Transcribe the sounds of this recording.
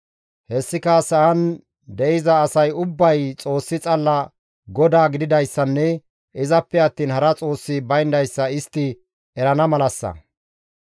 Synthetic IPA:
hɛsːɪkɐsɐʔɐn | d̪ɛʔɪzɐːsɐjʊbːɐjt͡sʼo̞ːsːɪt͡sʼɐlːɐ | ɡɔd̪aːɡɪd̪ɪd̪ɐjsːɐnːɛ | ʔɪzɐpːɛɐt̪ːiːnhɐɾɐt͡sʼo̞ːsːɪbɐjnd̪ɐjsːɐɪst̪ːɪ | ɛɾɐnɐmɐlɐsːɐ̰

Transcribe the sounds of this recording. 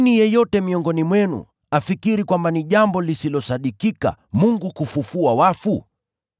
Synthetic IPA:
nijɛjɔtɛmiɔŋɡɔnimwɛnṵ | afikiɾikwambaniʄambɔlisilɔsaɗikika̰muŋɡukufufuawafu

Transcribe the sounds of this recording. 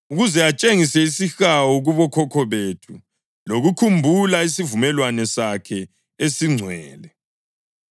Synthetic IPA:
uɣuzɛat͡ʃʼeŋisɛisixawɔɣuβɔkʰɔkʰɔβetʰu | loɣukʰumbʱulaisivumɛlwanɛsakʰɛ | esiŋ͡ǀʱwɛːlɛ

